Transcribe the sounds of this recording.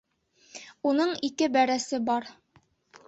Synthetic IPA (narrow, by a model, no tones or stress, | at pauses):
unɤɴikɘbæɾæsɘbɑɾ